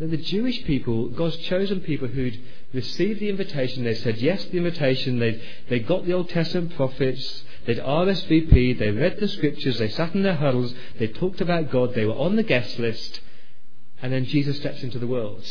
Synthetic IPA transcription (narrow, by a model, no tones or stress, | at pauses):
ðəðɨd͡ʒʉɨʃpʰipəl̩ˠɡɑdz̥t͡ʃʰoʊzɨ̃npʰipl̩ˠʉd̚ | ɹɨsivðiɪ̃ɱvɨtʰeɪʃn̩ðeɪsɛd̚jɛsðiɪ̃ɱvɨtʰeɪʃɨ̃nðeɪ | ðeɪɡɑʔ̪̚ðioʊlˠtʰɛstəmə̃npʰɹ̥ɑfɪts | ðeɪɾɑɹɛsv̥ipʰiðeɪɹɛd̪̚ðɨskɹ̥ɪp̚t͡ʃə˞zðeɪsæɾn̩ðə˞ɦʌɾl̩ˠz | ðeɪtʰɔk̚tɨbaʊt̚ɡ̥ɑd̪̚ðeɪwə˞ʔə̃nðɨɡɛstˡlɪst | ɨ̃nðɨ̃nd͡ʒizɨstɛpsɪ̃ntʉðəwɜ˞lˠd̥